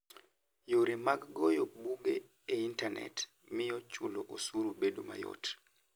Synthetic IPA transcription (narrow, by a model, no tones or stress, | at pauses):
joɾimaɡːojobuɡe | eintanʔɛ̰t | mɪjɔt͡ʃuloʔosuɾubedoma̰jo̰t